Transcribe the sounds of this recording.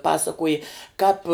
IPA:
ˈpɑːsɐkoːjɪ kɑːp

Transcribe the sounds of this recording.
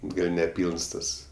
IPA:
ˈɡɐlʲ nʲɛˈpʲiːlˠns ˈtɐs

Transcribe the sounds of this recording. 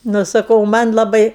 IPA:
ˈnʊ sɐˈkɐʊ ˈmɐnʲ lˠɐˈbɐɪ

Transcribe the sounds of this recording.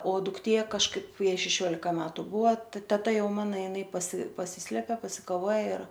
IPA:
oː dʊkˈtʲeː kɐʃˈkɐɪp ˈjɛɪ ʃʲɛˈʃʲoːlʲɪkɐ ˈmʲæːtʊ ˈbʊʋɐ ˈtʲæːtɐ ˈjɛʊ ˈmɑːnɐ jɪˈnɐɪ pɐsʲɪ pɐˈsʲiːsʲlʲɛpʲɛ pɐsʲɪkɐˈʋoːjɛ ɪr

